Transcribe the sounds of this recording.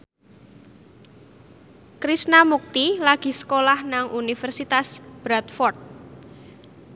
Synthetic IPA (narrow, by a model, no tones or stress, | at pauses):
kɾisnamuk̚t̪ilaɡ̥i̤sə̥kolahnaŋʔunifɛrsit̪asb̥ɾat̪̚fɔrt̪̚